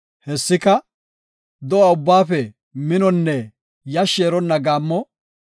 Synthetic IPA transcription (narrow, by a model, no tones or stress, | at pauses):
hɛsːɪkɐ | d̪ɔwɐʊbːaːfɛ | mɪnɔnːɛ | jɐʃːeːɾɔnːɐɡaːmːɔ